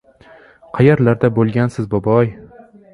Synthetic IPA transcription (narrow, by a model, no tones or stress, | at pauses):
qʰɑjaɾlaɾd̪abolˠɡʲansɪzbɒbɒj